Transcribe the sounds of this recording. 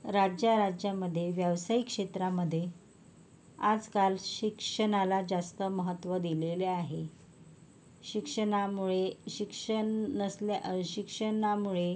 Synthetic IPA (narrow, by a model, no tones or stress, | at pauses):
ɾad͡ʑjaɾad͡ʑjaməd̪ʱːjeʋjəʋsajikʂet̪ɾaməd̪ʱːje | ad͡zkalɕikʂəɳalad͡zast̪əməɦət̪ːʋəd̪ileleaɦe | ɕikʂənamuɭeɕikʂəɳəslɕikʂənamuɭe